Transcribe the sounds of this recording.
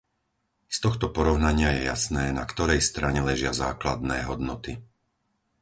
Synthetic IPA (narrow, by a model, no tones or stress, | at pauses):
st̪ɔxt̪ɔpɔɾɔʊnaɲɪajɛja̰snɛːna̰kt̪ɔɾɛjst̪ɾaɲɛlɛʒɪaza̰ːklad̪nɛːɦɔd̪nɔt̪i